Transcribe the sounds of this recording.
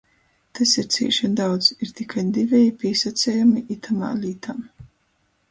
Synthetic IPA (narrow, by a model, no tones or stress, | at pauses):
t̪asiɾt̪sʲḭːʃɛnd̪awd̪z̥iɾt̪ikʰajd̪ivʲɛjipʲiːsat̪sʲɛjamiʔit̪ʰama̰ːlʲiːt̪ʰam